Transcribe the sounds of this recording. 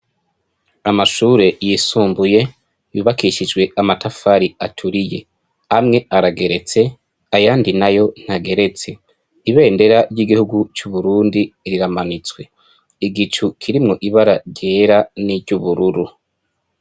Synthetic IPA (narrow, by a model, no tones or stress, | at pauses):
amaʃuːɾe̞jisuːmbuje̞ | juːβakiʃid͡ʒɡwe̞amatʰafaɾiatʰuɾije̞̰ | amŋe̞aɾaɡe̞ɾe̞t͡se̞ | ajaːndinajo̞n̥haɡe̞ɾe̞t͡se̞ | iβe̞ːnde̞ɾaɾɟiɡihuɡut͡ʃuβuɾuːndiɾiɾamanit͡swe̞ | iɡit͡ʃukʰiɾimŋo̞ʔiβaɾaɾɟe̞ːɾaniɾɟuβuɾuɾu